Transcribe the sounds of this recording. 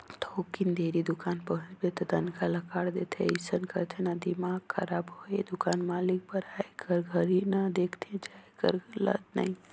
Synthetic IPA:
t̪ʰoːkind̪eːɾid̪ʊkaːnpəɦʊ̃d͡ʒbet̪ɔt̪ənkalɐkaːɽd̪eːt̪ʰḛisənkəɾt̪ʰenad̪imaːɡkʰɐɾaːbɦoːed̪ʊkaːnmaːlik̚bəɾaːekəɾɡʱəɾinəd̪eːkʰt̪ʰẽd͡ʒaːjkə̰ɾlɐ̰d̪na̰ĩ

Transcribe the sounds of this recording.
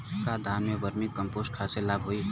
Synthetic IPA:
kad̪ʱamjebʌɾmikəmposʈkʰaselabɦoi

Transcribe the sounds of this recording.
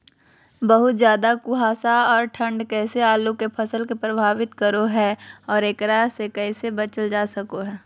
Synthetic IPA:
bɐɦʊt̪zjaːd̪akuɦaːsaɔːɾʈʰə̃ɳɖkɛːseaːlukepʰɐsəlkepɾɐbʱaːʋɪt̪kɐɾoɦɛɔːɾeːkɾasekɛːsebɐt͡ʃəld͡ʒaːsɐkoɦɛː

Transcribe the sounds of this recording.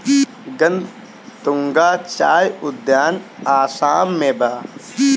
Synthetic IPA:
ɡɐnd̪ | t̪uŋɡaːt͡ʃaːjʊd̪jaːnaːsaːmːẽːbaː

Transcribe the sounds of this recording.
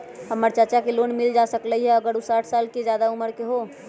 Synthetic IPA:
ɦəmːəɾt͡ʃət͡ʃakeloːnmɪld͡ʒasəkləɦiɦɛəɡəɾusaːʈʰsaːlked͡ʒjad̪auməɾkeɦoː

